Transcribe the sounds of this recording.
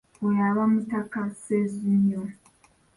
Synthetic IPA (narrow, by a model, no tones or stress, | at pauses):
ejaβamutakasezuɲo